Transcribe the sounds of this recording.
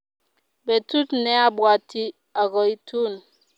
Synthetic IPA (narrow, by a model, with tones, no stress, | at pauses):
be˨tu˦tnɛ˦a˦bwa˨ti˦ | a˨ɡɔ˨i˦tʰu˦n